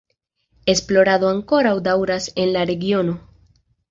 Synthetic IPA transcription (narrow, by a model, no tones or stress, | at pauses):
e̞splo̞ɾado̞aŋko̞ɾawdawɾase̞nlaɾe̞ɡio̞no̞